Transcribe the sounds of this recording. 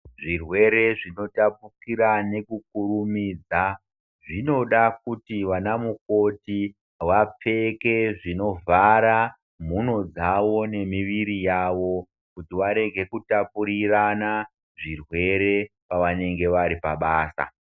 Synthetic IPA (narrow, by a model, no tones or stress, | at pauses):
ʐirwe̞ɾe̞ʐino̞tapukiɾane̞kuk̚uɾumiːd͡za | ʐino̞ɗakutiʋanamuko̞ti | wap͡fe̞ke̞ʐino̞vaɾa | m̤uno̞d͡zaʋo̞ne̞miʋiɾijaʋo̞ | kutiʋaɾe̞ɡʱe̞kutapuɾirana | ʐirwe̞ɾe̞ | paʋane̞ŋɡe̞ʋaɾipaɓaːsa̰